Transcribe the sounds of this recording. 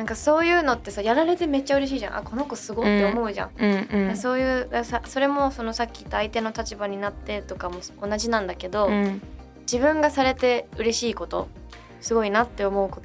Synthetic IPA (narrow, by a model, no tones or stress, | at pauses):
nãŋkaso̞ːjɯ̟ːno̞t̪ːe̞sajaɾaɾe̞t̪e̞me̞t͡ɕːaɯ̟ɾe̞ɕ̬iːʑã̰ʔa̰ko̞no̞ko̞sɨɡot̪ːeomo̞ɯ̟ʑã̰ɴ̃d̪aso̞ːjɯ̟ːd̪asaso̞ɾe̞mo̞so̞nosakʲːit̪ːaːit̪e̞not̪at͡ɕibaɲ̟inat̪ːe̞t̪o̞kamo̞sonaʑinãnd̪ake̞d̪o̞ | d͡ʑibɯ̟̃ŋɡasaɾe̞t̪e̞ɯ̟ɾe̞ɕiːko̞t̪o̞̰ | sɨɡo̞inat̪ːe̞o̞mo̞ɯ̟ko̞t̪